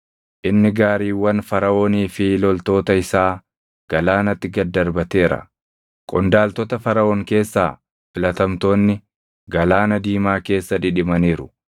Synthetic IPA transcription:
ʔɪnːɪɡaːɾiːwːɐnfɐɾɐʔoːniːfɪlɔlt̪o̞ːt̪ɐɪsaː | ɡ̥ɐlaːnɐt̪ːɪɡɐd̪ːɐɾbɐt̪e̞ːɾɐ̰ | kʼɔnd̪aːlt̪ɔt̪ɐfɐɾɐʔoːŋke̞ːsːaː | fɪlɐt̪ɐmt̪o̞ːnːɪ | ɡɐlaːnɐd̪iːmaːke̞ːsːɐᶑɪᶑɪmɐniːɾʊ

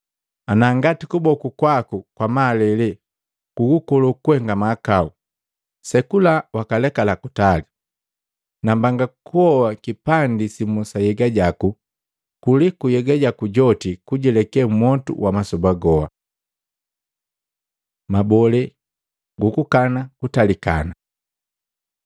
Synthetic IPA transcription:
anaŋɡatikubɔkukwakukwamaːlɛlɛ | kuɡukɔlɔkuhɛŋɡamakau | sɛkulawakalɛkalakutali | nambaŋɡakuɔwakipandisimɔsajɛɡaɟaku | kulikujɛɡaɟakuɟɔtikuɟɛlɛkɛmɔtṵwamasɔbaɡɔa̰ | mabɔlɛ | ɡukukanakutalika̰na

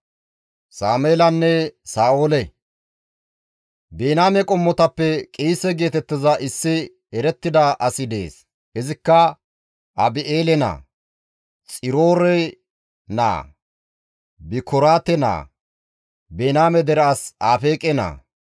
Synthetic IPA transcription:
saːmeːlɐnːɛsaːoːlɛ | beːnaːmɛkʼɔmːɔt̪ɐpːɛkʼiːsɛɡe̞ːt̪ɛt̪ːɪzɐʔɪsːɪ | ɛɾɛt̪ːɪd̪ɐʔɐsɪd̪e̞̰ːs | ɪzɪkːɐ | ʔɐbɪʔeːlɛna̰ː | t͡sʼɪɾo̞ːɾɛ | na̰ː | bɪkʰɔɾaːt̪ɛna̰ː | beːnaːmɛd̪ɛɾasaːfeːkʼɛna̰ː

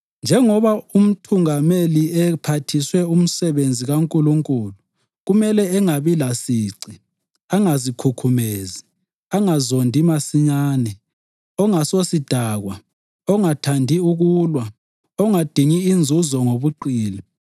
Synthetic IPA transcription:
nd͡ʒʱɛŋɔβaum̩tʰuŋameliɛpʰatʰiswɛum̩sɛβend͡zʱiɣaŋkʼuluŋkʼulu | ɣumɛlɛɛŋaβilasiːǀi | aŋazikʰukʰumezi | aŋazondʱimasiɲaːnɛ | ɔŋasosid̥ʱaɣwa | ɔŋatʰandʱiuɣuːlwa | ɔŋad̥ʱiŋiːnd͡zʱuzɔŋoβuǃiːli

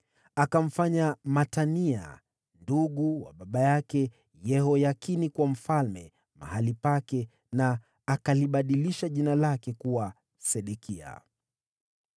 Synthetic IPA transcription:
akam̩faɲamatania̰ | nduɠuwa̰ɓaɓajakɛ | jɛhɔjakinikwam̩falmɛ | ma̰halipakɛ | naː | kaliɓaɗiliʃaʄinalakɛkuwa | sɛɗɛkʰia̰

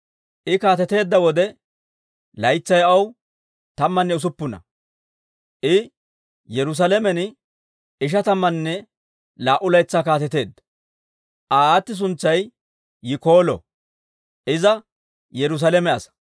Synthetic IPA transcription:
ʔɪkaːt̪ɛt̪e̞ːd̪ːɐwɔd̪ɛ | lɐjt͡sːɐjɐw | t̪ɐmːɐnːɛʊs̬ʊpːʊnɐ̰ | ʔɪ | jɛɾʊs̬ɐlɛmɛnɪ | ɪʃ̬ɐt̪ɐmːɐnːɛ | laːʔʊlɐjt͡sːaːkaːt̪ɛt̪e̞ːd̪ːɐ̥ | ʔaːaːt̪ːɪs̬ʊnt͡sːɐjː | ɪko̞ːlɔ̰ | ʔɪzɐ | jɛɾʊs̬ɐlɛmɛɐsɐ̥

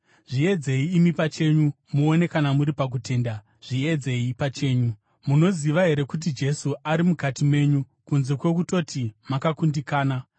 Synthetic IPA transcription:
ʐie̞d͡ze̞iːmipat͡ʃe̞ɲu | muone̞kanamuɾipak̬ute̞ːnda | ʐ̥ie̞d͡ze̞ipat͡ʃe̞ːɲu | muno̞ziʋaɦe̞ɾe̞kut̬id͡ʒe̞suaɾimukatime̞ːɲu | kunze̞kwe̞k̬uto̞tʰimakakundikaːna

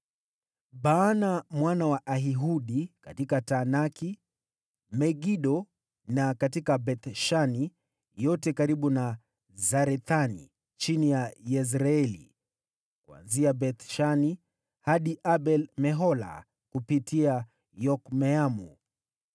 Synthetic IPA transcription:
ɓanamwanawaʔaɦiɦuɗikatikatanaki | mɛɡiɗɔ | nakatikabɛt̪ʃani | jɔtɛkaɾiɓuna | zaɾɛθanḭ | t͡ʃinijajɛs̬ɾaɛlḭ | kua̰nziabɛt̪ʃani | haɗiʔaɓɛlmɛɦɔla̰ | kupitʰia | jɔkmɛamu

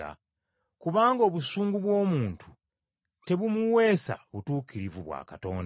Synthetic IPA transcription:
a̰ | kuβaːŋɡo̞ːβusuːŋɡuβwo̞ːmuːntʰu̥ | te̞βumuwe̞ːsa̰βutuːkiɾivuβwa̰ːkato̞̰ːnd

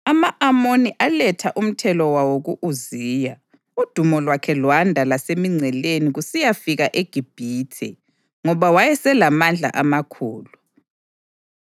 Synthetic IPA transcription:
amaʔamoniʔalɛtʰaʔum̩tʰɛlɔwawoɣuʔuziːja | ud̥ʱumɔlwakʰɛlwandʱalasemiŋ͡ǀʱɛleniɣusijafiɣaʔeɡ̥ʱib̥ʱiːtʰɛ | ŋɔβawajɛsɛlamand͡ɮʱa̰ʔamakʰuːlu

